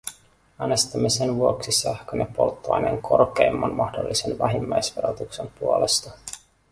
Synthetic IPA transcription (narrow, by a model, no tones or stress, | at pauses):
æːnest̪imːesenʋuoksisæhkønepːo̞̰lt̪ːoɑ̰jne̞̰ŋkʰo̞rkejmːɑnmɑhdo̞lːisenʋæɦimːæjsʋe̞ɾot̪ukse̞mpuole̞st̪ɑ